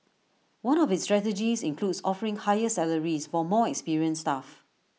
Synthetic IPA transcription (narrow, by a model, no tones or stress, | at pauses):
wãnɔfɪtstɹɛtɛd͡ʒisɪ̃nkʰludsɔfəɹɪ̃ŋhajəsɛləɹisfɔmɔɛkspiɹiə̃nstaf